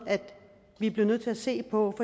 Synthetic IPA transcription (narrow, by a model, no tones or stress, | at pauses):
æd̥ | ʋib̥le̝ʊnøð̰ˠt͡sʰe̝æse̝̰ːpʰɒ̽fɒ̽